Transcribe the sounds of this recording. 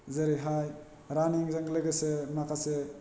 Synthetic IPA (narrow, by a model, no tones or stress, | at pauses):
zɐɾiɦaj | ɾaniŋzaŋɡlɐɡesemakʰase